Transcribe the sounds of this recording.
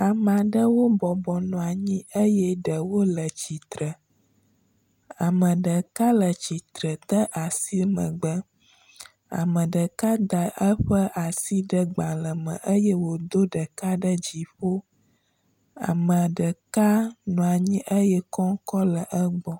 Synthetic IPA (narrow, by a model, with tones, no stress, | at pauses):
a˨m̃˨a˨ɖə˦wo˦bɔ˨bɔ˨nɔ̃˨a˨ɲĩ˦ʔə˦jɛ˦ɖə˨wo˦lə˨t͡ɕi˨t̪ɾə˨ | a̰˨mə̃˨ɖə˨ka˦lə˨t͡ɕi˨t̪ɾə˨t̪ə˦ʔa˨si˦mə̰̃˨ɡ͡bə˦ | a̰˨mə̃˨ɖə˨ka˦d̪ə˨ʔə˦ɸə˦ʔa˨si˦ɖə˦ɡ͡ba˨lə˨mə̰̃˨ʔə˦jɛ˦wo˨d̪o˦ɖə˨ka˦ɖə˦d͡ʑi˨ɸo˦ | a̰˨mə̃˨ɖə˨ka˦nɔ̃˨a˨ɲĩ˦ʔə˦jɛ˦kɔ˦ŋ˦kɔ˦lə˨ʔə˦ɡ͡bɔ˦